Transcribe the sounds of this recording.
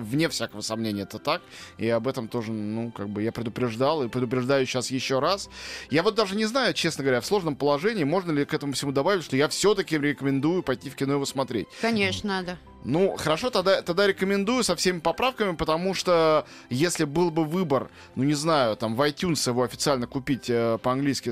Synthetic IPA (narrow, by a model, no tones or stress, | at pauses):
vnʲe̞fsʲakəvəsɐmnʲenʲɪəɛt̪ət̪akɪɐbɛt̪əmt̪o̞ʐənukaɡ̚bɨjapɾʲɪd̪ʊpɾʲɪʐd̪alˠɨpɾʲɪd̪ʊpɾʲɪʐd̪ajʊɕasjɪɕːoɾasjavo̞t̪̚d̪aʐɨnʲɪznajʊt͡ɕe̞snəɡəvɐɾʲafslˠo̞ʐnəmpəlˠɐʐɛnʲɪiːmo̞ʐnəlʲɪkɛt̪əmʊfsʲɪmud̪ɐbavʲɪtʲʂt̪ojafsʲo̞t̪əkʲɪɾʲɪkəmʲɪnd̪ujʊpɐjtʲifkʲɪnoɪvosmɐt̪ɾʲḛt̚ʲkɐnʲeʂnəd̪a | nuxəɾɐʂo̞t̪ɐɡd̪at̪ɐɡ̚d̪aɾʲɪkəmʲɪnd̪ujʊsɐfsʲemʲɪpɐpɾafkəmʲɪpət̪ɐmuʂt̪o | jesʲlʲɪbɨlˠbɨvɨbər | nunʲɪznajʊt̪amvɐjt̪ʲunsjɪvo̞ɐfʲɪt̪sɨalʲnəkʊpʲitʲəpəɐnɡlʲijskʲɪ